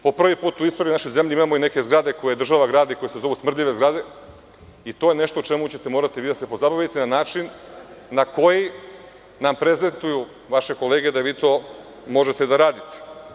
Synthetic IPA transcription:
po̞pr̩ʋipuːt̪uist̪oɾiunaʃo̞jze̞mʎʲiimamo̞ine̞ke̞zɡɾad̪e̞ko̞jed̪r̩ʒaʋaɡɾaːd̪iko̞jesezo̞ʋusmr̩d̪ʎʲiʋe̞zɡɾad̪e̞ | it̪o̞jene̞ʃt̪o̞ut͡ʃe̞mut͡ɕe̞t̪e̞mo̞ɾat̪iʋiːd̪ase̞po̞zabajit̪enanaːt͡ʃinːako̞ji | nampɾe̞ze̞nt̪uju | ʋaʃe̞ko̞leːɡe̞d̪aʋiːt̪o̞ː | mo̞ʒe̞t̪ed̪aɾaːd̪it̪e̥

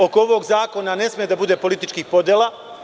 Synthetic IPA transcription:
o̞kooʋo̞ːɡzaːko̞nane̞smijed̪abud̪e̞ːpo̞lit̪it͡ʃkixpo̞d̪jelˠa

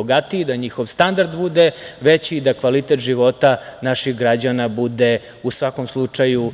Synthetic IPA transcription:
oɡat̪iid̪aɲixo̞ʋst̪and̪aɾd̪bud̪eʋet͡ɕiːd̪akʋalit̪et̪ʒiʋo̞t̪anaʃixɡɾad͡ʑanabud̪e | usʋakomslˠut͡ʂaju

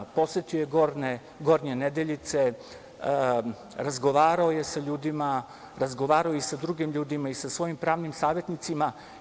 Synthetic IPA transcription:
po̞sjet̪iojeɡoɾne | ɡo̞ɾɲened̪eʎit̪se̞ | ɾazɡo̞ʋaːɾaoje̞saʎuːd̪ima | ɾazɡo̞ʋaːɾaoisad̪ɾuɡimʎuːd̪imaisasʋo̞jimpɾaːʋnimsaːʋje̞t̪nit̪sima

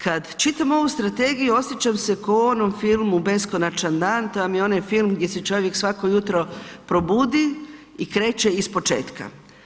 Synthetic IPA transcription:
kad̪t͡ʃit̪amo̞ʋust̪ɾat̪e̞ɡijuo̞sjet͡ʃamse̞koo̞no̞mfilˠmube̞sko̞nat͡ʃand̪aːnt̪ojamjeo̞najfilˠmɡd̪jeset͡ʃo̞ʋje̞ksʋako̞jut̪ɾo̞pɾo̞buːd̪iikɾe̞ːt͡ʃe̞ispo̞t͡ʃe̞̰ːt̪ka̰

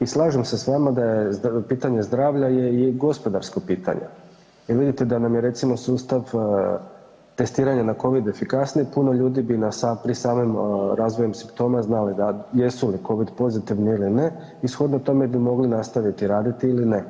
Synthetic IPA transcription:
islˠaːʒemsesʋaːmad̪ajepiːt̪aɲe̞zd̪ɾaːʋʎaje̞iɡo̞spo̞d̪aɾskopiːt̪ʰa̰ɲḛ | jeɾʋid̪it̪ed̪anamjeɾe̞t̪simo̞suːst̪aʋ | t̪e̞st̪iːɾaɲanako̞ʋid̪e̞fikasnipuno̞ʎuːd̪ibinasapɾisaːmimɾaːzʋo̞jemsimpt̪o̞ːmaznalid̪ajesuliko̞ʋid̪po̞zit̪iʋniiline̞ | isxo̞d̪not̪o̞me̞bimo̞ɡlinast̪aʋit̪iɾaːd̪it̪iiline̞

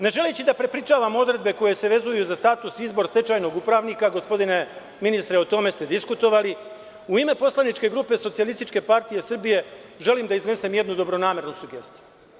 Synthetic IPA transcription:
ne̞ʒe̞let͡ɕid̪apɾe̞pɾit͡ʃaːʋamo̞d̪ɾe̞d̪be̞ko̞je̞se̞ʋe̞zujuzast̪aːt̪usizbo̞ɾst̪e̞t͡ʃaːjno̞ɡupɾaʋnikaɡo̞spo̞d̪ine̞ | minist̪ɾe̞ot̪o̞me̞st̪e̞d̪iskut̪o̞ʋali | uime̞po̞slanit͡ʃke̞ɡɾuːpe̞sot̪sialˠist̪it͡ʃke̞paɾt̪ijesr̩bije̞ʒe̞limd̪aizne̞se̞mje̞d̪nud̪o̞bɾo̞naːme̞ɾnusuɡe̞̰st̪i̥ju

